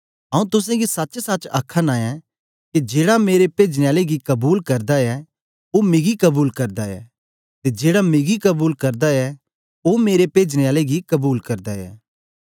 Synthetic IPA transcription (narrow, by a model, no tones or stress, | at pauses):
ɐũt̪ʊs̬ãɡisɐt͡ʃsɐt͡ʃɐkʰːənaːjɛ̃ | kid͡ʒeːɽameːɾepeːd͡ʒneaːleɡikɐbuːlkɐɾd̪aɛ | omẽːɡikɐbuːlkɐɾd̪aɛ̰ː | t̪ed͡ʒeːɽamẽːɡikɐbuːlkɐɾd̪aɛ | omeːɾepeːd͡ʒneaːleɡikɐbuːlkɐɾd̪aɛ̰ː